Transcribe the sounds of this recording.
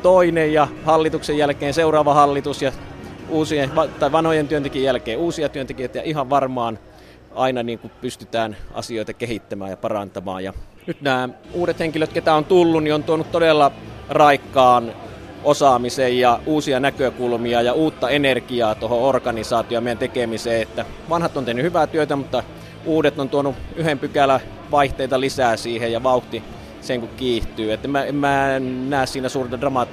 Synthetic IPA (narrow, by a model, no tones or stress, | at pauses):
t̪oinejjɑhɑlːit̪uksejælkeːnseurɑːʋɑhɑlːit̪usjɑuːsieʋɑt̪ɑiʋɑnhojent̪yønt̪ekiejælkeːuːsiɑt̪yønt̪ekiøˑt̪æjɑihɑʋʋɑrmɑːn | ʔɑinɑniːŋkupyst̪yt̪æːnɑ̰sioit̪ɑkehit̪ːæmæ̰ːjɑpɑrɑnt̪ɑmɑ̰ːjjɑ̰ | nyt̪næːuːɾet̪heŋkiløt̪ket̪æˑont̪ulːunniont̪uonut̪t̪odelːɑrɑikːɑːnʔosɑmisejjɑuːsiɑnækøkulmiɑjɑuːt̪ːɑenerkiɑːt̪ohoorkɑnisɑːt̪ioɑmeijænt̪ekemiseːet̪ːæ | ʋɑnhɑt̪ːˑont̪ehnyhyʋæt̪yøt̪æmut̪ːɑ | uːdet̪ont̪uonuyhempykælːæ | ʋɑiht̪eˑit̪ɑlisæːsiːhejɑʋɑuht̪i | seŋkukkiːht̪yːæt̪ːemmæemmæenæːssiːnæsuːrent̪ɑdrɑmɑt̪